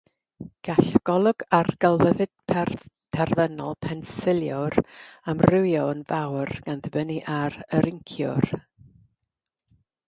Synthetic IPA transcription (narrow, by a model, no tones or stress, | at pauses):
ɡ̥aɬɡ̥ɔlˠʊɡ̥arɡəlˠvəðɨd̥̚pʰɛr | tʰɛrvənɔlˠpʰɛnsɪlˠjɔramrɪwjɔnvawrɡ̥anðəbəniʔaɾəɾɪŋkʰjʊ̰r